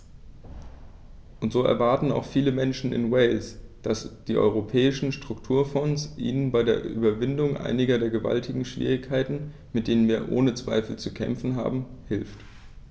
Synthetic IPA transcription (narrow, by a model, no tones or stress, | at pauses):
ʔʊntz̥oːɛ̰ɐvaɐtn̩a̰ʊxfiːləmɛnʃn̩ɪ̰nwɛɪlsd̥asd̥iːʔɔ̰ʏʁ̞opʰɛːɪʃn̩ʃtʁ̥ʊktʰuːɐfɔnsʔḭːnənbaɪdeːɐʔʔy̰ːbɐvɪndʊŋʔa̰ɪnɪɡɐdeːɐɡəva̰ltʰɪɡŋ̩ʃv̥ḭːʁ̞ɪçkʰaɪtn̩ | mɪt̚d̥eːnənviːɐʔo̰ːnət͡sv̥a̰ɪfl̩t͡sukʰɛ̰mfn̩ɦa̰ːbm̩hɪlft